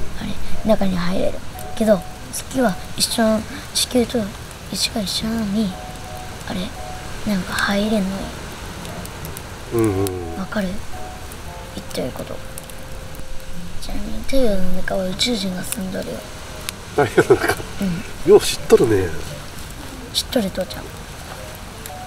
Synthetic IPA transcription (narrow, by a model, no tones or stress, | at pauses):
a̰ɾe̞̰nakaɲ̟iɦaiɾḛɾɯ̟̰ke̞d̪o̞ | sɨ̥kʲiβaiɕːõ̞ | ʑi̥kʲɨːt̪o̞ | it͡ɕi̥kaiɕõaɲ̟i | aɾe̞ | nãŋkahaiɾenoj | ɯ̃ːβakaɾɯ̟ | it̪ːeɾɯko̞t̪o̞̰ | t͡ɕina̰ɲḭt̪ejɯmekaβaɯ̟t͡ɕɨːʑĩŋɡasɨ̃nd̪oɾɯ̰jo̰ | naihenakaɯ̟̃ɴjoːɕi̥t̪ːoɾɯ̟ne | ɕi̥t̪ːoɾɯt̪oːt͡ɕã̰